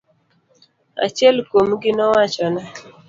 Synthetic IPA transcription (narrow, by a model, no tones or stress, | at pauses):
a̰t͡ʃjɛlkomɡɪnɔwat͡ʃɔna